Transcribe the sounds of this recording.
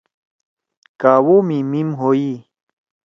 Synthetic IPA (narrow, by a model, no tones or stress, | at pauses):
kawomimimɦoji